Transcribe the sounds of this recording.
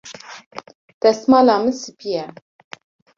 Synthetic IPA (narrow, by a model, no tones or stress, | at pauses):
d̪̥ɛsmɑːlɑːmɨsɨbijɛ